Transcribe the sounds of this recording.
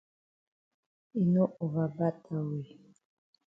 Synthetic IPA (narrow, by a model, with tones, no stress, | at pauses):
i˨no˦ʔo˨βa˨ba˦tʰa˨wi˨